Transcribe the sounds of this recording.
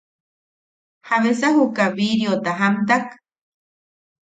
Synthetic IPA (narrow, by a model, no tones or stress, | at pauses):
haβesaɦukaβiɾjot̪aɦamt̪ak